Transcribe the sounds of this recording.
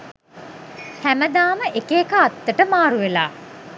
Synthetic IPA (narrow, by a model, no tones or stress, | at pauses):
hæməd̪aːməʔekeːkəat̪ːəʈəmaːɾuʋelaː